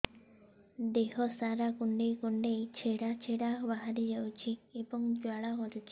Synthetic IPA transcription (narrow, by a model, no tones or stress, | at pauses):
d̪eɦɔsaɾakuɳɖejkuɳɖejt͡ʃʰeɽat͡ʃʰeɽabaɦaɾid͡ʒawt͡ʃʰiebɔŋd͡ʒwaɭaɡɔɾut͡ʃʰi̥